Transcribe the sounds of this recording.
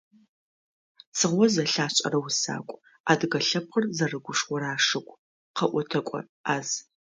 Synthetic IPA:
t͡sʰɨʁʷɔzɐɬaːɕʼɐ̰ɾɐwʊsa̰ːkʷʼ | aːdɨɣɐɬɐp̚χərzɐrɨɡʷʊʂwʷɔɾaːʂɨkʷʼ | qʰɐʔʷɔtʰɐkʷʼɔ̰ | aːz

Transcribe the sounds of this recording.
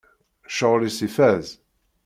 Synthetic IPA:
ʃəʁlisifæz

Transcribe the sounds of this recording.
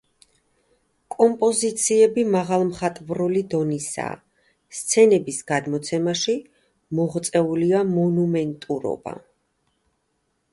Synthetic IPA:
kʼɔmpʼɔzit̪sʰiɛbimaʁalˠmχat̪ʼvɾulid̪ɔnisa̰ | st̪sʰɛnɛbisɡ̥ad̪mɔt̪sʰɛmaʃi | mɔʁt̪sʼɛuliamɔnumɛnt̪ʼuɾɔ̰b̥a̰

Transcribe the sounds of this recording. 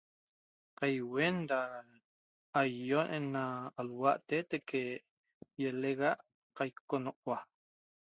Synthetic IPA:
qajwenda | jːonʔenːaalwaʔt̪et̪eke | jeleɣaʔ | qajkonoqwa

